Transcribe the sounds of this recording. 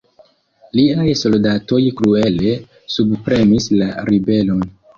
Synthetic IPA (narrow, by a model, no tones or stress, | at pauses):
liajso̞ldato̞jkɾue̞le̞ | subpɾe̞mislaɾibe̞lon